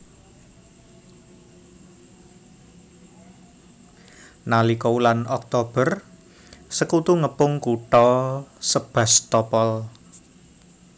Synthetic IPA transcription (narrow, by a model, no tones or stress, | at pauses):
nalikoulanɔk̚t̪ob̥ər | səkut̪uŋəpʊŋkuʈɔsəb̥ä̤st̪ɔpɔl